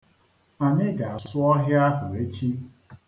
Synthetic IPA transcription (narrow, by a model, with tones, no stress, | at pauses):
a˨ɲɪ˦ɡa˨a˨ssʊ˦ɔ˦ɦɪ˦a˦ɦʊ˨ɾe˦t͡ʃi˦